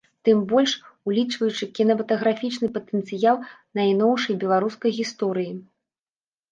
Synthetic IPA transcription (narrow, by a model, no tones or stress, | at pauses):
t̪ɨmbɔlʲʂulʲit͡ʂvɐjut͡ʂɨkʲinɐmɐt̪ɐɣɾafʲit͡ʂnɨpɐt̪ənt̪sɨjalˠnɐjnɔwʂɐjbʲɛlˠaɾuskɐjɣʲist̪ɔɾɨji